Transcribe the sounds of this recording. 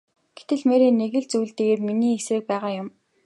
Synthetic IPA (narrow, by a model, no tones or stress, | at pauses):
ɡ̥et̪ɘ̆ɮmeɾeːneɣɘ̆ɮt͡sujːɮt̪eːɣeːrminiːesrɘ̆k̚pæːʁaːjʊm